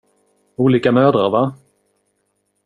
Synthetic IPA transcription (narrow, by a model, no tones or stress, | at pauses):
uːliːkamœːd̪ɾaɾva